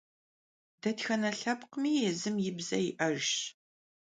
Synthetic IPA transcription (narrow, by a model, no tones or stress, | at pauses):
d̥ɐtxɐnɐɬɐpqmiːjɛzɨmjɪbzɐjɪʔɐʒ